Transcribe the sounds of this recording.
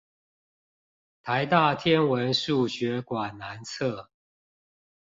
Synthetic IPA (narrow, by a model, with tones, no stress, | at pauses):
t̪ʰa˨˦ɪt̪a˥˨t̪ʰjɛ˦nwə˨˦nʂu˥˨ɕɥɛ˨˦kwa˨˩nna˧˦nt͡sʰɤ˥˨